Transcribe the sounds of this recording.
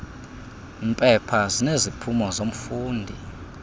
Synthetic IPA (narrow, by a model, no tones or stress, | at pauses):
mpʼɛpʰazinezipʰumɔzom̩fuːndʱi